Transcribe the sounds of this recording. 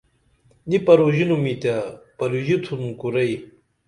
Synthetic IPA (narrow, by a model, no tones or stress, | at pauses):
nipɐɾuʑinumit̪apɐluʑit̪ʰumkuɾɐj